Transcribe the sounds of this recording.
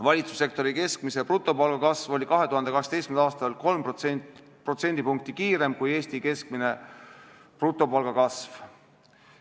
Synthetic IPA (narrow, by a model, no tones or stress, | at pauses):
vɑlʲit̪su̥sːe̞k̚t̪o̞ɾike̞skmiseprut̪ːˑo̞pɑlɡ̥ɑkɑsvo̞lʲikɑɦe̞t̪uhɑnd̪e̞kɑkset̪ejskmed̪ɑːst̪ɑlko̞lm | pro̞t̪se̞nd̪̥ipuŋk̚t̪ikiːɾe̞mkuje̞ːst̪ike̞sk̚mine̞ | prut̪ːˑo̞pɑlɡ̥ɑkɑsv